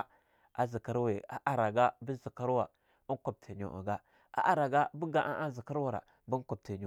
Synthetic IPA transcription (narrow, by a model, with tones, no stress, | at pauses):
a̰˨zi˨ka˦ɾwe˨a˨ʔa˨ɾa˨ɡa˦bi˦zi˨ka˦ɾwa˨ | u˦ko˨b̚tʰe˨ɲo̰˨ʔə̰˨ɡa˦ | a̰˨ʔa˨ɾa˨ɡa˦bu˦ɡa˦ʔa̰˦ʔa˦zi˨ka˦ɾwa˨ɾa̰˨ | bu˦ko˨b̚te˨ɲo˨